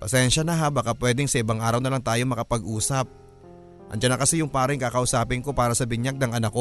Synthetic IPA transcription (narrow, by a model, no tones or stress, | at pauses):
pɐsɛnʃɐnɐɦabakapwɛd̪ɪŋsɐʔɪbaŋʔaːɾɐwnɐlɐŋt̪aːjo̞mɐkɐpɐɡʔuːsɐp̚ | ʔɐ̰n̚d͡ʒɐnɐkɐsɛjʊŋpaːɾɐŋkakɐʔʊsaːpɪŋko̞paːɾɐsɐbɪɲjaɡ̚nɐŋʔɐnɐkːo̞